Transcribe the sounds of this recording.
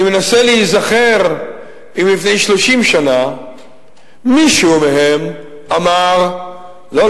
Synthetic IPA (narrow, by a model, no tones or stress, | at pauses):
imenaseleizaχe̞ʁ | imlifnejʃlo̞ʃimʃana | miʃumeɦem | amaʁ | lo